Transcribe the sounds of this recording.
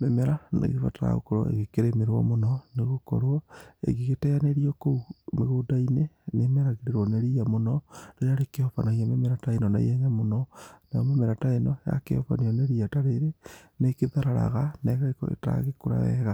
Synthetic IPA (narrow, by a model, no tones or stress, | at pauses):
memɛɾanḛɣeβa̰taɾa̰ɣo̰kɔɾo̰ḛɣekeɾemeɾwɔ̰monɔneɣokɔ̰ɾwɔḛɣeɣetɛjaneɾiɔkoumeɣoːdainenemɛɾaɣeɾeɾwɔneɾiamonɔɾeaɾekeɔfa̰naiamemɛɾataenɔna̰j̰ɛɲamonɔnajɔmemɛɾataenɔja̰kḛɔ̰fa̰nejɔneɾiataɾeɾenekeðaɾaɾa̰ɣanɛɣaekɔ̰ḛta̰ɣekoɾa̰ɛɣa